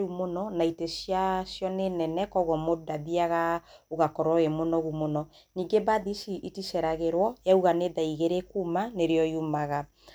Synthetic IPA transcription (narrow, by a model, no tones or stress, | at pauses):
ɾumonɔnaitesjasjɔnenɛnɛkɔɣɔmodaðiaɣaoɣakɔɾɔemonɔɣumonɔ | niːŋɡebaðisiʔitisɛɾaɣeɾwɔjauɣaneðaiɣeɾekumaneɾeɔjumaɣa